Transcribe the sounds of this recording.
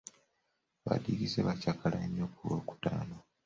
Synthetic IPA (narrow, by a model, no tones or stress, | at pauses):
βa̰dikizeβacakalaeɲːokuwo̰ku̥taːno